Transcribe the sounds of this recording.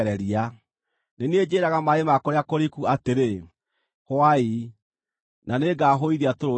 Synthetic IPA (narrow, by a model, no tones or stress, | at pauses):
ɾɛɾia | nened͡ʑeɾaɣamaemakɔɾeakoɾikuateɾe | hwai | naneɡaːɦoiðeatoɾo